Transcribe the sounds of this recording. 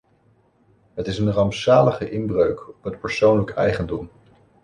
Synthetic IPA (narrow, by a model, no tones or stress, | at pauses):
ɦətɪsənrɑmpsaːləχəʔɪnbrøɥkɔpɦət̚pəɹsownləkʰɛjχəndɔm